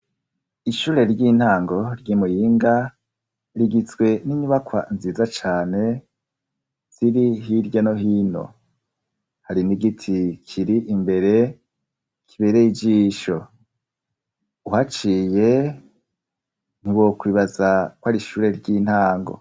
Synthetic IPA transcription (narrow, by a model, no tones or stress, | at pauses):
iʃuːɾe̞ɾɟin̥haːŋɡo̞ɾɟimujiːŋɡa | ɾiɡit͡swe̞niɲuβakwa̰nziːzat͡ʃaːne̞ | z̥iɾiɦiɾɟano̞ɦiːno̞̰ | haɾiniɡitʰikʰiɾiʔimbe̞ɾe̞ | kʰiβeɾejid͡ʒiːʃo | uhat͡ʃije̞ | n̥iwokwiːβazakwaɾiʃuːɾe̞ɾɟiːn̥haːŋɡo̞̰